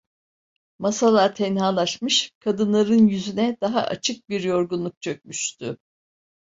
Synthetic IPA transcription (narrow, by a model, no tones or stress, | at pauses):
masalˠaɾt̪ʰɛnɦaːlˠaʃmɯʃkʰad̪ɯnlˠaɾɯnjyzynɛd̪̥aɦa̰ʔat͡ʃʰɯk̚biɾjo̞ɾɡunlˠuk̚t͡ʃʰøc̚ʲmyʃt̪ʰʊ